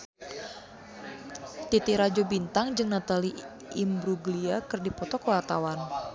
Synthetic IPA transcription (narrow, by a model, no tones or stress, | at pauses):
t̪it̪iɾad͡ʒobint̪aŋd͡ʒɨŋnat̪ali | imbɾuɡliakɨrdipɔt̪ɔkəwart̪awan